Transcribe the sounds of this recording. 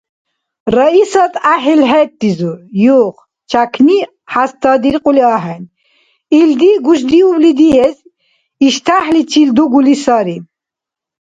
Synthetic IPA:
ɾaisat̪ʰʼaɦilɦɛt̪ːizujuχ | t͡ʃʰakʰni | ħast̪ʰad̪iɾqʼuliaɦɛn | ild̪iɡuʃ̬d̪iublid̪iɛz | iʃt̪ʰaħlit͡ʃʰild̪uɡulisaɾi

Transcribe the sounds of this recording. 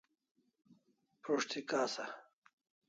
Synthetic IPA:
pɾoʂt̪ʰikaːsɐ

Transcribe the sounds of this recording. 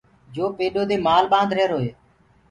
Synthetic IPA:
d͡ʒoːpeːɗoːd̪eːmaːlɓãːnd̪ɾeːɾɦoːɦeː

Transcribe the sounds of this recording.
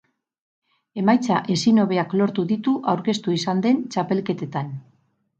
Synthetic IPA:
e̞majt͡saʔe̞sino̞βe̞aklo̞ɾt̪uðit̪uʔawɾke̞st̪uisand̪e̞nt͡ʃape̞lke̞t̪e̞t̪an

